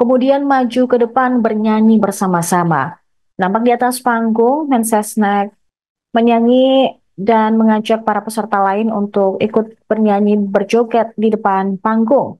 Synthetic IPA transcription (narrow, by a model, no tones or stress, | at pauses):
kəmudianmad͡ʒukədəpanbərɲaŋibərsamasama̰ | nampak̚diat̪aspaŋɡʊŋmɛnsɛsnɛk̚ | məɲaŋi | danməŋad͡ʒak̚paɾapəsərt̪alaɪnunt̪ʊkikʊt̪̚b̥ərɲaŋibərd͡ʒokɛt̪̚didəpanpaŋɡʊŋ